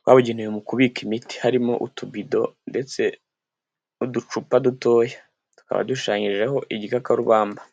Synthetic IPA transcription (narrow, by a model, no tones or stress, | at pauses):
t̚wa̰βuɟinijomukuβikimiti̥haɾimo̞̰ʔṵtubido̞nde̞t͡se̞ | udut͡ʃupaduto̞ːja | tu̥ka̰βa̰duʃaːɲiʒe̞ho̞ʔiɟikakaɾuβaːmba